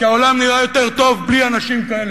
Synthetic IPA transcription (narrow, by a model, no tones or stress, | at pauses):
kaolamniʁajo̞t̪e̞ʁt̪o̞vblianaʃimkae̞le